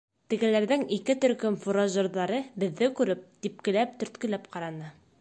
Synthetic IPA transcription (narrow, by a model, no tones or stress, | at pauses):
t̪ɘ̆ɡɘ̆læɾðɘŋikɘt̪ɵ̆ɾkɵmfuɾoʒɤ̆ɾðɑɾɤbɘ̆ðːɘkʉɾɘp̚t̪ip̚kɘ̆læp̚t̪ɵ̆ɾt̪kɵ̆læpqɑɾɑnɤ